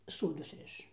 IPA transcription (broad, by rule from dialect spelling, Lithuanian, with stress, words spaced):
ˈsoːdʊs ˈrʲɪʃ